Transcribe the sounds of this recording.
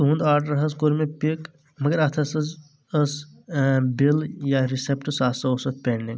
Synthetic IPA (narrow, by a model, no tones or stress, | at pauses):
ɦũnd̪aːɾʈɾɐɦɐskoɾmepik | mɐɡəɾɐt̪ʰɐsɐz | əs | biljaɾisep̚ʈsasɐosɐt̪̚peɳɖiŋɡ